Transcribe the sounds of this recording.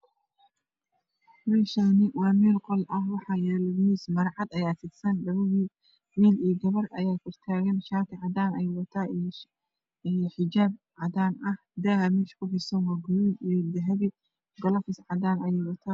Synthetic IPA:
mɛːʃanɪwɑːmɛːlqɔlʔɐhwɑħɑːjɛːlɔiːsmɐɾʕɑd̪ɐjaːt̪ʰɪɡsɐnɖɐβʊɣiː | wiːliːɡɐβɐrʔɐjaːkʰɪrt̪ʰaːɣɐnʃaːt̪ʰɪʕɑd̪aːnɛjwɐt̪ʰaː | ijħɪd͡ʒaːb̚ | ʕɑd̪aːnɐh | d̪aɦɐmɛːʃkʰʊħɪsɐnwɑːɡʊluːd̪ijd̪ɐɦɐðɪ | ɡɔlɔfɪsʕɑd̪aːnɐjɛjwɐt̪ʰaː

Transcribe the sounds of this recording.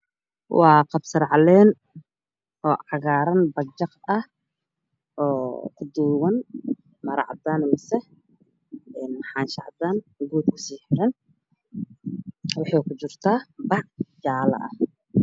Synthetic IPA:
wɑːqɑbsɐɾʕlɛːn | ʔɔːʕɑɣaːɾɐnbɐɡt͡ʃːɐqɐh | ʔɔːkʰʊd̪uːwɐn | mɐɾɑ̰ʕd̪aːnmɐsɛ | ɛːnmħɑːnʃɑʕd̪aːnɡuːd̪̚kʰʊ̥siːħɪɾɐn | wɑħɑːjkʰʊt͡ʃɪrt̪ʰaːbɑʕd͡ʒaːlɐ̰ʔɐh

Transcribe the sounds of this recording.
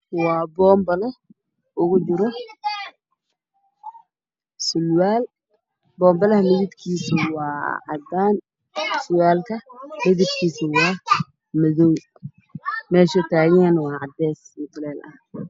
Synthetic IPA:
wɑːbɔːmbɐlɛ | ʔʊɣʊt͡ʃɪɾɔ | sʊlwaːl | bɔːmbɐlɐhɐmɪðɪb̪kʰiːsɐwɑːʕɑ̰d̪aːn | sʊwaːlkʰɐmɪðɪbkʰiːsɐwɑː | mɐðɔw | mɛːʃɛt̪ʰaːɣɛːnwɑːʕɑd̪ɛːsmʊt̪ʰɐlɛːlʔɐ̰h

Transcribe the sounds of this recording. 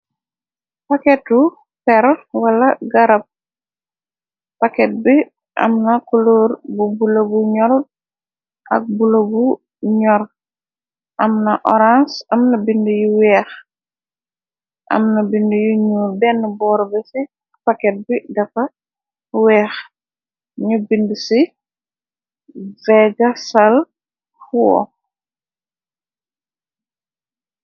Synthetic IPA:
pakɛtu | pɛɾwɐlɐɡɐɾɐp̚ | pakɛt̚bi | ʔɐ̰mnɐkuloɾbubulɐbuɲɔɾt̚ | ʔɐ̰k̚bulɐbu | ɲɔɾ | ʔɐmnɐʔɔɾansɐmnɐbindujuwɛːx | ʔɐ̰mnɐbindujuɲuːɾbɛnːəbɔːɾbɛsi | pɐkɛt̚bidɐfɐ | wɛːx | ɲubindusi | vɛɡɐsɐl | fuɔ̰

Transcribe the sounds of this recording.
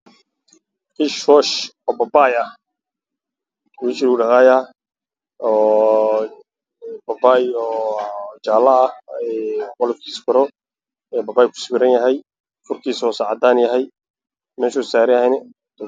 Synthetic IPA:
kiʃwɔʃɔːbɐbaːjɐ | wiːʃɪluɖɐɦaːjɐ | ɔː | bɐbaːjɔːt͡ʃaːlːɐːɛwɔlɐb̚kʰiːskɔɾɔ | ɛːbɐbaːjkʰʊ̥sɪwɪɾɐnjɐɦɛj | fʊrkʰiːsɔːsaʕɑd̪aːnjɐɦɛj | mɛːʃɔ̥saːɾɪhɛjnɛ | d̪

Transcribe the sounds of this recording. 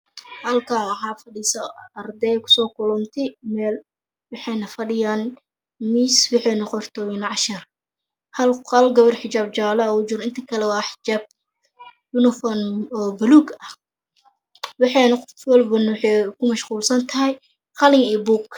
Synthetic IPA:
hɐlkʰaːwħɑːfɐɖiːsɐɐrd̪ɛjkʰʊ̥sɔːkʰʊlɔnt̪ʰɪmɛːl | wɑħɑjnɐfɐɖɪjaːn | miːswɑħɛːnɐqɔrt̪ʰɔːjɪnʕɑʃɪr | hɐlɐlɡɐβɐrħɪt͡ʃaːb̚t͡ʃaːlɐʊt͡ʃɪɾɪnt̪ʰɐkʰɐlɛwɑːħɪ̥d͡ʒaːb̚ | jʊnɔfɔnɔːbʊluɡɐh | wɑħɑnɐqɔlbʊnwħɛkʰʊmɐʃquːlsɐnt̪ʰɐɦɛj | qɑlɪŋɛːbuːk

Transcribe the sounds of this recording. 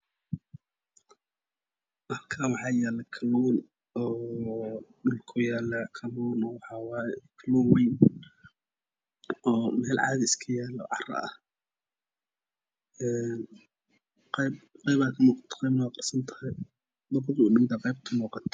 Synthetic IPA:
mɐrkʰaːwɑħɑːjɛːlɐkʰɐluːn | ɔː | ɖʊlkʰʊjaːlɐkʰɐlunɔːwɑħɑwɑːjɛkʰɐluːnwɛjn | ɔːmɛːlʕɑ̰ːðiɪskʰɐjæːlɔ̰ʕɑ̰rɐ̰ɐh | ɛːn | qɛjb̚qɑjbaːkʰɐmuːqɑ̥t̪ʰɔ̥qɛjbnɐwaːqɑrsɐnt̪ʰɐ̥hɛj | d̪ʊb̪ːɗɪd̪ɐqɑjb̚t̪ʰɐmuːqɑt̪ʰ

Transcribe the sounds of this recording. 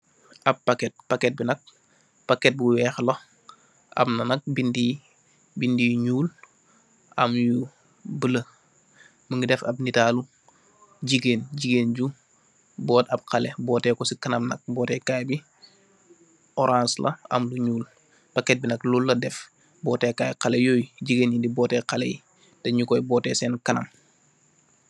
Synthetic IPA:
ʔɐb̚pakɛt̚pakɛt̚binɐk̚ | pakɛt̚buwɛːxlo | ʔa̰bnɐnɐk̚bindi | bindiɲuːl | ʔamju | bələ | məŋɡidɛfɐb̚nitaːlu | ɟiɡeːnɟiɡeːnɟu | bɔːtɐb̚qɐlɛbɔːtɛːkɔsikɐnɐmnɐ̰k̚bɔːtɛkaːjbi | ɔɾãːnslɐ̰ɐ̰mluɲuːl | pɐkɛt̚binɐklulːɐdɛf | bɔːtɛːkaːjqalɛjoːjɟiɡeːnjindibɔːtɛqalɛ̰ji | tɐɲukɔjbɔːtɛsɛːnkɐnɐ̰m

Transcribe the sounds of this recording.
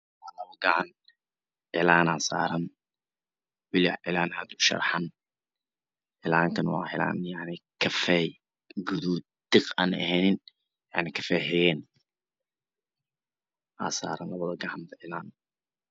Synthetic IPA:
aːlɐβɐɡɐʕan | ʕɪlaːnaːsa̰ːɾɐn | wɪlɪʕɪlaːnaːd̪ʊʃɐ̰rħɐn | ʕɪlaːŋkʰɐnwɑ̰ːħɪla̰ːnjaʕnɪkʰɐfɛj | ɡʊðuː | d̪̥ɪqa̰ːnɐ̰hɛːnɪn | jaʕnɪkʰɐfɛhɛjɛːn | ʔa̰ːsa̰ːɾɐnlɐβɐðɐɡɐʕand̪ɐʕɪlaːn

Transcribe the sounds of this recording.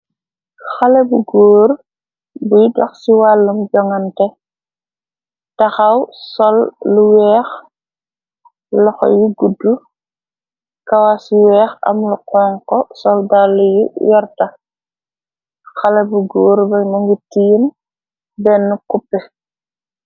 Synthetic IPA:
xalɛbuɡoːɾ | bujdwa̰xsiwalːumɟɔŋɐntɛ | tɐxawsɔlːuwɛːx | lɔxɔ̰juɡudːu | kawasiwɛːxɐ̰mluqɔŋkɔsɔldalujujɔɾta | xalɛbuɡoːɾbɛmuŋɡitijin | bɛnːukupːɛ

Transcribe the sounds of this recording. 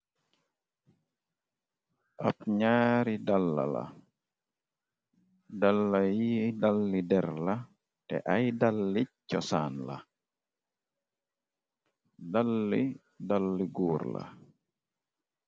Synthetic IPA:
ʔapɲaːɾidalːa̰la̰ | dalːajidalːidɛɾla | tɛ̰ʔajdalːit͡ʃːɔsaːnla̰ | dalːi | dalːiɡuːɾla̰

